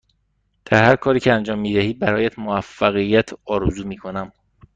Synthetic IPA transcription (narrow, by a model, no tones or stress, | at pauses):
d̪̥æɾhæɾkʰɒːɾiːcʰeænd͡ʒɒːmːiːd̪æhiːbæɾɒːjæt̪ʰmoæfːæɣijːæt̪ʰɒːɾuzuːmiːkʰo̞næm